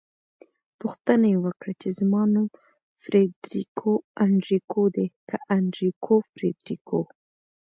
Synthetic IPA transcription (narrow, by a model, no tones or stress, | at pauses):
pʊxt̪ənajewəkɽat͡ʃezmɑnum | fɾed̪ɾikʰoaɳɖɾikod̪ekʰaʔaɳɖɾikʰofɾed̪ɾikʰo